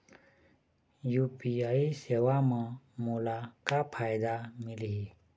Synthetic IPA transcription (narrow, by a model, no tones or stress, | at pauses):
jupiaisewamã | mulakapʰajd̪amili